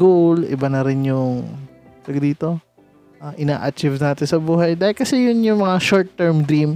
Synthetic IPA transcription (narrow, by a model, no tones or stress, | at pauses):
ɡulɪ̰bɐnɐɾɪnjʊŋ | t̪ɐɡd̪iːt̪o̞ | ʔaːʔɪna̰ːʔɐt͡ʃɪvnaːt̪ɪnsɐbuːɦɐjd̪aːhɪlkɐsɛjʊnjʊŋmɐŋaʃoɹt̪ːɛɹmd̪ɾim